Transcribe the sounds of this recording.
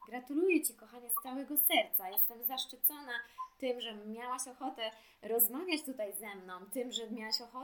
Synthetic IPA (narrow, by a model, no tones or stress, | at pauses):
ɡɾat̪ulujɛt͡ɕikɔxaɲɛst̪sawɛɡɔsɛɾt̪sajɛst̪ɛmzaʂt͡ʂɨt̪sɔnat̪ɘmʐɛmʲjawaɕɔxɔt̪ɛ | ɾɔzmavʲjat͡ɕt̪ut̪ajzɛmnɔ̃w̃t̪ɘmʐɛmʲjawaɕɔxɔ